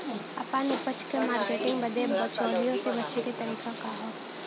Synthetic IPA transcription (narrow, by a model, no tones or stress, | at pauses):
ɐpanepɐt͡ʃʰkemaːɾkeːʈɪ̃ŋɡbɐd̪ebɔːt͡ʃɔːɦijõsebɐt͡ʃʰeɾet̪ɐɾiːkakaɦɛː